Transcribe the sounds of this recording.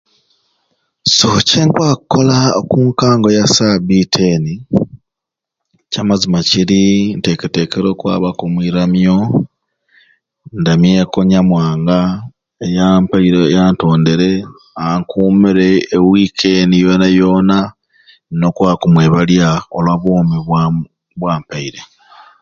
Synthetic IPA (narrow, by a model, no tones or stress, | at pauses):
soceŋkwakukolaokuːŋkaːŋɡo̞jasabitʰeni | camazimaciɾinte̞kete̞keɾo̞ːkwa̰ːβakomwiɾamjo̞ | ndamjekoɲamwaːŋɡa | ejampaiɾejaːnto̞ːnde̞ɾe̞ | aŋkumiɾeːwikʰenijo̞ːnajo̞ːna | no̞kwaːkumweːβaljaolwaβoːmiβwa | βwaːmpaiɾe̞